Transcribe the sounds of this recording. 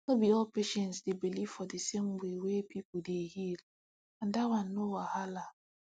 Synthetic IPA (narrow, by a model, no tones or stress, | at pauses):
nobiɔlpeʃɛ̃ntsdebilivfɔdesem̩wewepipʊdeɦil | ãn̩dawan̩ːowahala